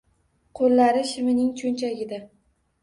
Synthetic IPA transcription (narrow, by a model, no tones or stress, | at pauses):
qʰolːaɾɪʃɪmɪnɪŋt͡ʃʰont͡ʃʰaɡʲɪd̪a